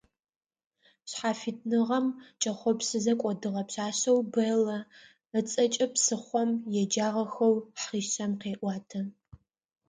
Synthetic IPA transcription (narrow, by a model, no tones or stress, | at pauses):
ɕħaːfitʰnɨʁɐmt͡ʃʼɐχʷɔpsɨzɐkʷʼɔdɨʁɐpɕaːɕɐwbɐlɐ | ət͡sʼɐt͡ʃʼɐpsɨχʷɔmjɛd͡ʒaːʁɐxɐwħʁiːɕɐmqeːʔʷɑːtʰɐ